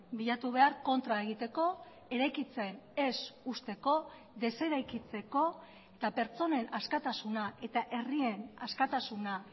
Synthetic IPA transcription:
biʎat̪uβ̞e̞aɾko̞nt̪ɾaeɣ̞it̪e̞ko̞ | e̞ɾajkit͡se̞ne̞sust̪e̞ko̞ | ðe̞se̞ɾajkit͡se̞ko̞ | t̪ape̞ɾt͡so̞ne̞naskat̪asunaʔe̞t̪aʔe̞rie̞naskat̪asuna

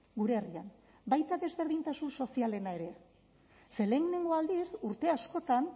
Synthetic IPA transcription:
ɡuɾe̞rian | bajt̪aðe̞zβe̞ɾðint̪asunso̞siale̞nae̞ɾe̞ | se̞le̞ŋneŋɡo̞ald̪isuɾt̪e̞asko̞t̪an

